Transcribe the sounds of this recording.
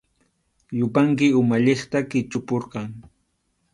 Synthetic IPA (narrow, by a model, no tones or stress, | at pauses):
jʊpaŋkɪʊmaʎeχt̪akɪt͡ʃʊpoɾqɑŋ